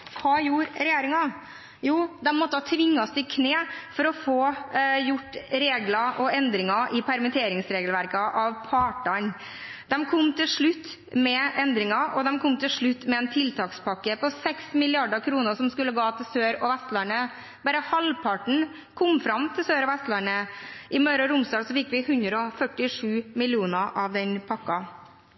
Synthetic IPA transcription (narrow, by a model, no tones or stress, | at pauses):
kʰɑːjuɾɾɛjeːɾɪŋɑ | juːd̪ɛmmːɔt̪ːəhɑt̪ʰʋɪŋːɑst̪ɪkʰneːfɔɾɔfoːjʊʈːɾeːɡlɑʔɔɛnd̪ɾɪŋɑʔɪpʰæɾmɪt̪ʰeːɾɪŋsɾeːɡəlʋæɾkəʔɑʋpʰɑːʈɑɳ | d̪̥ɛmkʰɔmːt̪ʰɪlʂɭʉt̪ː | mɛɛnd̪ɾɪŋɑʔɔd̪ɛmkʰɔmt̪ʰɪʂɭʉt̪ːmɛɛːnt̪ʰɪlt̪ʰɑːkspʰɑkːəpɔsɛksmɪlɪɑɖəkʰɾuːnəsɔmskʉlːəɡɑːt̪ʰɪlsøːɾɔʋɛst̪lɑɳə | bɑːɾəhɑlpʰɑʈɳ̩ | kʰɔmfɾɑmt̪ʰɪlsøːɾɔʋɛst̪lɑɳəʔɪmœɾɑɾʊmsd̪ɑːɡsɔfɪkːʋɪhʉnd̪ɾəɔfœʈːɪʂʉːmɪlɪuːnəʔɑʋd̪ɛnpʰɑkːɑ